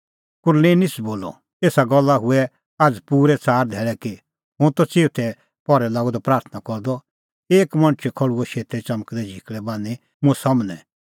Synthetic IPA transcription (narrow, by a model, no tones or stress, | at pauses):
kʊɾlẽːnɪsboːlɔ̰ | eːsaɡɔlːaɦʊɛ | ad͡zpuːɾɛt͡saːɾd̪ʱɛːɭɛki | ɦʊ̃t̪ɔt͡seːʊt̪ʰɛ | pɔɾɛlaːɡɔd̪ɔpɾaːɾt̪ʰnakɔɾd̪ɔ | eːkmɐ̃ñt͡ʃʰɛkʰɔɽuɔʃeːt̪ɛt͡ʃɐmkd̪ɛd͡ʒʱikɭɛbãːni | mũɛsɐmnɛ̃